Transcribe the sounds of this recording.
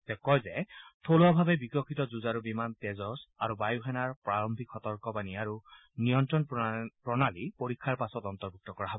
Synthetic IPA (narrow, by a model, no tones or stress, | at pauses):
tɛkɔjzɛtʰolɔbʱabɛbikɔkʰitɔzuzaɹubimantɛzɔsaɹubajuɦɛnaɹpɹaɹɔmbʱikxɔt̪ɔɹkɔbaniaɹu | nijɔntɹɔnpɹɔnalipoɹikʰːaɹpasɔtɔntɔɹbuk̚tɔkɔɹaɦɔbɔ